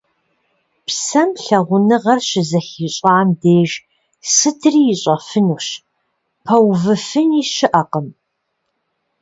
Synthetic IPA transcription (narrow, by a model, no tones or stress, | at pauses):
psɐmɬɐʁʷʊnɨʁɐrɕɪzɐxiːɕʼɑːmdeːʒ | sɨtʰriːjɪɕʼɐfɨnuːɕ | pʰɐwvɨfɨniːɕɪʔɐqəm